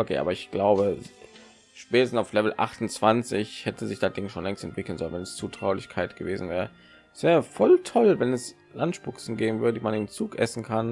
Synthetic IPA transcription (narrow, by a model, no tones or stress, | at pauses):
ʔokʰḛːa̰ːbɐɪçɡ̥laʊbə | ʃpɛːtəstn̩aʊflɛvl̩ʔa̰χtʊnt͡sv̥ant͡sɪçhɛtʰəzɪçd̥at̚d̥ɪŋʃoːnlɛŋstɛ̰ntv̥ɪkl̩nzɔlənvɛnɛst͡suːtʁ̥aʊlɪçkʰaɪtɡ̥əveːzn̩vɛːʁə | sv̥ɛːʁəfɔltʰɔlvɛnɛs | lantʃpʊksn̩ɡeːbm̩vʏɐdədiːmanɪmt͡suːkʔɛ̰sn̩kʰan